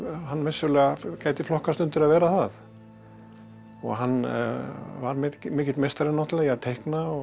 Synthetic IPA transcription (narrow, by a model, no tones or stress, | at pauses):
hanːvɪsːʏlɛːɣakaːjt̪ɪflɔhkast̪ʏnt̪ɪɾaðvɛːɾaθað | ɔ̰ɣɦanː | vaɾmɪmɪːcɪt̪mejst̪aɾɪnɔwht̪lɛɣaðt̪ʰejhknaɔ